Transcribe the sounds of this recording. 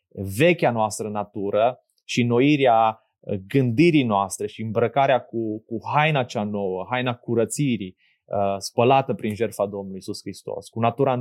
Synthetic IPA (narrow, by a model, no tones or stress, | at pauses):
ve̞kʲanoast̪ɾənat̪uɾə | ʃino̞iɾea | ɡɨnd̪iɾinoast̪ɾe̞ʃiɨmbɾəkaɾeakukuɦajnat͡ʃano̞wəɦajnakuɾət̪siɾi | əspəlat̪əpɾinʒe̞rfad̪o̞mnuluisuskɾist̪o̞̰skunat̪uɾa